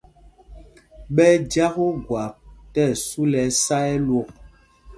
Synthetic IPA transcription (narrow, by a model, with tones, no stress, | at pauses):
ɓɛ˦d͡ʒa˦ko˦ɡwa˨p̚tɛ˦˨su˦lɛ˨˦sa˦ɛ˦lwo˦˨k̚